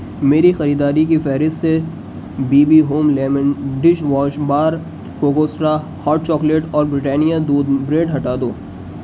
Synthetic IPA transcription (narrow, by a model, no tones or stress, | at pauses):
meːɾixɐɾiːd̪aːɾikifɛːɾɪst̪se | biːbiɦoːmlɛːməɖɪʃʋaːʃbaːɾ | koɡoːsɾa | hɔːɾʈ̚t͡ʃɔːkleʈɔːɾbɾɪʈɛːnijad̪uːd̪bɾeːɖɦɐʈaːd̪oː